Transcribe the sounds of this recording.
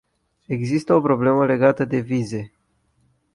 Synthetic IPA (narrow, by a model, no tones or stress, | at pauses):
e̞ɡzist̪əo̞pɾo̞ble̞məle̞ɡat̪əd̪e̞vize̞